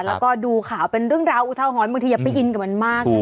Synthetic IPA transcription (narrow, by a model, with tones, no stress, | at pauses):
lɛː˦˥wkɔː˥˩duː˧kʰaː˩˦wpe˧nɾɯ˥˩əŋɾaː˧wʔu˧t̪ʰa˧wɦɔː˩˦nba˧ŋt̪ʰi˧ja˨˩pa˧jʔi˧nka˨˩ma˧nmaː˥˩k